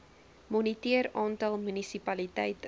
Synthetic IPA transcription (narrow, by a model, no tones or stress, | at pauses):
mɔnitiəɾɑːntɐlˠmynisipɐlitɛjt